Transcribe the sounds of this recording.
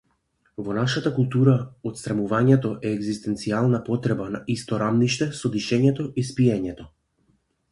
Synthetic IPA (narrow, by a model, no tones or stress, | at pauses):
vɔnaʃat̪akulˠt̪uɾaɔt̪st̪ɾamuvaɲɛt̪ɔʔɛːɡzist̪ɛnt̪sialˠnapɔt̪ɾɛbanaist̪ɔɾamniʃt̪ɛsɔd̪iʃɛɲɛt̪ɔʔispiɛɲɛt̪ɔ